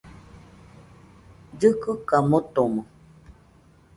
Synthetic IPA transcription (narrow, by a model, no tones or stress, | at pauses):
d͡ʒɨkɨkamot̪omo